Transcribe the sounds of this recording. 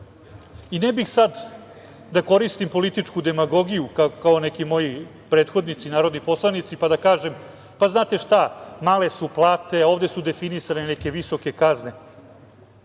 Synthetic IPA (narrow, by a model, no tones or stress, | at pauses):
inebixsad̪ | d̪ako̞ɾist̪impo̞lit̪it͡ʂkud̪e̞maɡo̞ɡijukakao̞ne̞kimo̞ji | pɾe̞ːt̪xo̞d̪nit̪sinaːɾod̪nipo̞slˠanit̪sipad̪akaːʒe̞m | paznaːt̪e̞ʂt̪amaːle̞suplˠaːt̪e̞o̞ːvd̪e̞sud̪efinisaneneke̞ʋiso̞ke̞kazne̞